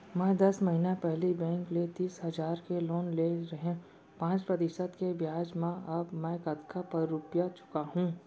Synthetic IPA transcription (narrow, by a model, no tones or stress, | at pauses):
mɛ̃ːd̪ɐsməɦinepɛɦlibɛ̃ːŋklet̪iːsɦɐzaːɾkeloːnleɾɐɦẽ | pãːt͡ʃpɾɐt̪ɪʃəd̪kebʱjaːd͡ʒmẽɐbmɛ̃ːkəd̪kʰapɐɾːupjat͡ʃʊ̥kaɦũː